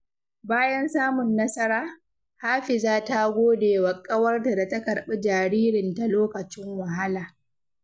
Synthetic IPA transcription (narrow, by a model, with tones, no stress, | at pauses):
baː˦jɐ˦nsaː˦mʊ˨nːɐ˦sɐ˦ɽaː˦ | haː˦ɸɪ˨zaː˦ta˦ɡʷoː˦deː˨wa˨kʼɐ˦wɐ˦rta˨da˨tɐ˦kɐ˨ɽɓɛ˦d͡ʒaː˨ɽiː˦ɾɪ˨nta˨loː˦kɐ˨t͡ʃɪ˦ŋwɐ˨ɦa˦laː˨